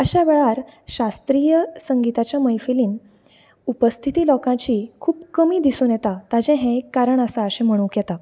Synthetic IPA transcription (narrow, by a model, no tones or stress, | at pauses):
əɕaʋɛɭaɾɕast̪ɾiːjəsəŋɡit̪at͡ɕjaməjfiliːn | upəst̪ʰit̪iːlɔkãt͡ɕiːkʰuːpkəmiːd̪isuːnjɛt̪at̪ad͡ʑɛ̃ɦɛ̃ekːaɾəɳəsaəɕɛ̃m̤əɽ̃ũːkjɛt̪a